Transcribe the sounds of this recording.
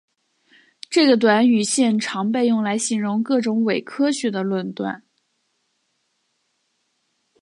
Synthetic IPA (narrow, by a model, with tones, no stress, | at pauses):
ʈ͡ʂɤ˥˩ɡə˩t̪̬wa˧˥ny˨˩ɕjɛ˥˩nʈ͡ʂʰɑ˧˥ŋpe˥˧ɪjʊ˥˩ŋla˧˥ɪɕi˧˥nɻʊ˧˥ŋkɤ˥˩ʈ͡ʂʊ˧˥ŋwe˨˩ɪkʰɤ˥ɕɥɛ˧˥d̪ə˧lwə˥˧nt̪wa̰˥˩n